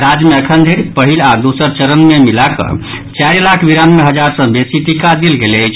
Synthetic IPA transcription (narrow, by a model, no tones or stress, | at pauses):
ɾad͡ʒmeəkʰənd̪ʱeɾpəɦilad̪usəɾt͡ʃəɾənmemilakə̰ | t͡ʃaɾlakʰbiɾanmeɦəd͡ʒaɾsə̃besit̪ikad̪ilɡelət͡ʃʰ